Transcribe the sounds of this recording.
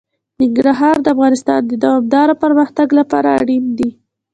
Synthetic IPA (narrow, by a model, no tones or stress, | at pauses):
nɪŋɡɾaɦɑɾd̪əafɣɑnɪst̪ɑ̰nd̪əd̪awɑm̚d̪ɑɾopəɾməxt̪aɡlapɑ̰ɾaːɽind̪i